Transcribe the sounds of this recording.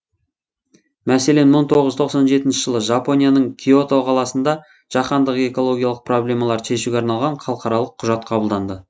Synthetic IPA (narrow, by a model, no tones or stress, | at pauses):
mæse̞le̞nməɴt̪ʰo̞ʁəzt̪ʰo̞qsɑnʒe̞t̪ɪnʃɪʒ̥əlˠəʒapo̞nijanəɴkʲʰio̞t̪oqʰɑlˠɑsənd̪ɑ | ʒ̥ɑqɑnd̪əqe̞ko̞lˠo̞ɡʲijɑlˠəq̚pro̞blʲe̞mɑlˠɑɾʃe̞ʃuɡʲeɑɾnɑlˠʁɑɴχɑlˠəqɑɾɑlˠəqʰːʊʒɑt̪̚qʰɑbəlˠd̪ɑnd̪ə